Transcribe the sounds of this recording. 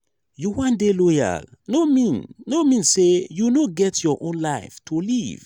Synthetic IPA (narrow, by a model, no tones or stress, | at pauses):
juwãndeloja̰lnomĩnnomĩnsejunoɡɛtʰjɔʔõnlaɪftʰuliv̥